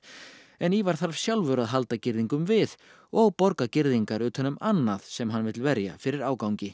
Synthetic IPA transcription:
ɛnivaɾ̥θaɾv̥sjawlvœɾaðɦalt̪acɪɾðiŋkʏmvɪð | ɔɣpɔɾkacɪɾðiŋkaɾʏːt̪hœnʏmanːaðsɛmɦanːvɪt̪lvɛɾja̰fɪɾɪɾaːwkawŋcɪ

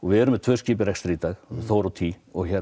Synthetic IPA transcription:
ɔɣvɪðɛɾʏmɛt̪ʰvœːsciːp̬ɪɾɛkst̪ɾiːt̪aɣθowɾawt̪ʰiː | ɔɣçɛ

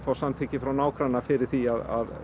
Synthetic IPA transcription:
fawsamt̪ʰɪcɪfɾawnaːwkɾanːafɪɾɪɾ̥θiaða̰ð

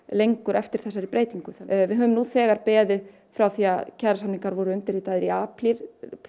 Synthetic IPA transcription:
lejŋkʏɾʔɛft̪ɪɾ̥θɛsaɾipɾeːjt̪iŋkʏvɪðɦœːvʏmnuθɛːɣaɾpɛːðɪ | fɾawθiaðcʰɛðɾasamniŋkaɾvɔɾʏʏnt̪ɪɾit̪aðɪɾiaːpliɾ

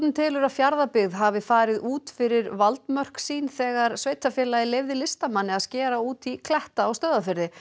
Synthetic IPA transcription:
nɪt̪ʰɪːlʏɾafjaɾðapɪɣðɦavɪfaːɾɪðuːt̪fɪɾɪɾvalt̪mœr̥ksiːnθɛːɣaɾsveːjt̪ʰafjɛːlajɪlejvðɪlɪst̪amanːɪaðscɛːɾauːt̪ikʰlɛht̪aːwst̪œːðafɪɾðɪ

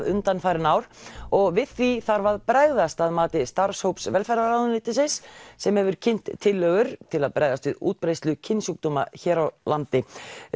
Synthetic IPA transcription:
ðʏnt̪anfajɾɪnaːwɾ̥ɔɣvɪðθiθaɾvaðpɾaːɣðast̪aðmaːt̪ɪst̪aɾ̥showpsvɛlfɛɾaɾawðʏnɪːt̪ɪsɪssɛmhɛvʏɾ̥cʰɪn̥t̪ʰːɪlːœːɣʏɾ̥t̪ʰɪlaðpɾaːjðast̪vɪðṵːt̪̚pɾejst̪lʏcʰɪnsuk̚t̪ɔma̰çɛːɾawlant̪ɪ

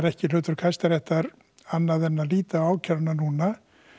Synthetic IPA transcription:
ɾɛhcɪl̥ʏːt̪ʏɾ̥kʰajst̪aɾɛht̪aɾ | anːaðɛnːaliːt̪aaːwcʰœlʏnanuːna

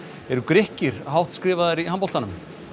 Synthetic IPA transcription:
ɛɾʏkɾɪhcɪɾ̥hawht̪skɾɪːvaðaɾiɦampɔlt̪anʏm

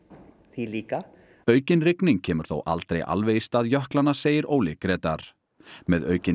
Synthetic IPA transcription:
θiliːka | œːɥcɪnrɪknɪŋcʰɛːmʏɾ̥θo̰wʔa̰lt̪ɾejʔa̰lvejɪst̪aːðjœhklanaseːjɪɾoːwlɪkɾɛːt̪aɾ̥ | mɛðœ̰ːɥcɪ

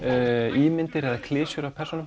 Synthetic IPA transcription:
iːmɪnt̪ɪɾɛðakʰlɪːsʏɾawpʰɛrsɔnʏm

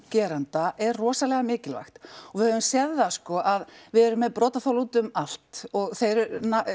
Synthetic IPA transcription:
cɛːɾant̪aʔɛrrɔːsalɛɣamɪːcɪlva̰xt̪ɔvɪhœvʏmsjɛððaskɔʔaðvɪðɛɾʏmːɛðpɾɔːt̪aθowlut̪ʏmal̥t̪ɔɣθejɾʏna

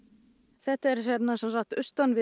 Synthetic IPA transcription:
θɛht̪ɛɾsɛnasansak̚t̪ʏst̪anvɪ

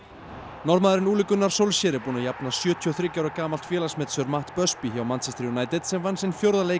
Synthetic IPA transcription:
nɔɾmaːðɪɾɪnuːlɪkʏnːaɾ̥sowlsjɛːɾɪpuːnajapnasjœːt̪ʰiɔθɾɪcawɾakaːmalt̪fjɛːlasmɛt̪sʏœɾmaht̪pœspiçawmansɛst̪ɾiunaːjt̪ɛt̪sɛmvansɪnfjowɾðaleː

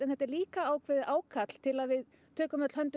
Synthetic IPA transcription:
ɛnθɛt̪ːɛɾliːkaaːwkʰvɛːðɪʔaːwkʰat̪l̥t̪ʰɪlaðvɪð | t̪ʰœːkʏmœt̪l̥hœnt̪ʏ

